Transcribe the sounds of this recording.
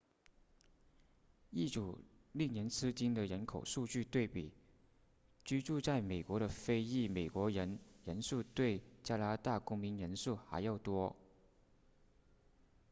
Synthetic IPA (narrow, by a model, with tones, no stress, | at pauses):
i˥˩ʈ͡ʂu˨˩ | li˥˩ŋnjɛ˧˥nt͡sʰɹ̩˥t͡ɕi˥nd̪ə˨ɻə˧˥nkʰo˨˩ʊʂu˥˧t͡ɕy˥˧t̪we˥˩ɪpi˨˩˦ | t͡ɕy˥ʈ͡ʂu˥˧t͡sa˥˩ɪme˨˩ɪkwɔ˧˥ɾə˧fe˥ɪi˥˩me˨˩ɪkwɔ˧˥ɻə˧˥nɻə˧˥nsu˥˧t̪we˥˩ɪt͡ɕja˥la˥t̪a˥˩kʊ˥ŋmi˧˥nɻə˧˥nsu˥˩xa̰˧˥ɪjɑ˥˩ʊt̪wɔ˥